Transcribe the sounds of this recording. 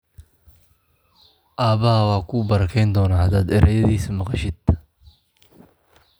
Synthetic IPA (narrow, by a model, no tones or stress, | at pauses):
ʔaːβɐɦɐwɑːkʰʊːbɐɾɐkʰɛjnd̪ɔːnaːhɐd̪aːd̪ɛɾʔɛjɐðiːsɐmɑqɑʃɪd̪̥